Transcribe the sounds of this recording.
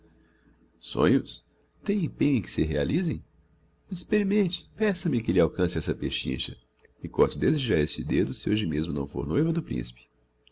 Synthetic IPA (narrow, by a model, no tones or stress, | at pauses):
sõ̰ɲʊs | t̪ẽj̃ẽpẽɲʊẽj̃kɪ̥sɪɦealizẽj̃ | ispeɾimẽnt͡ʃɪ̥pɛsɐmɪkelɪawkɐ̃sɪɛsɐpeʃḭ̃ʃɐ̰ | ɪkɔɾt͡ʃ̪ɪd̪ezeʒaɾest͡ʃɪd̪ed̪ʊsɪoʒɪmezmʊnɐ̰̃w̃fo̰ɾnojvɐd̪ʊpɾḭ̃si̥pɪ̥